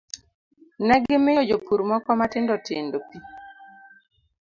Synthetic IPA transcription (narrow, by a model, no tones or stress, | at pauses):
nɛɡɪmeod͡ʒopʰuɾmɔkɔmatɪndɔtʰendopi